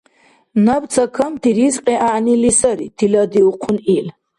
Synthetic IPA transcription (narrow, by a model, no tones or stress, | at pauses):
nabt̪t͡sʰakʰamt̪ʰiɾizqʼɛʔaʕnilisaɾit̪ʰilad̪iuqʰunil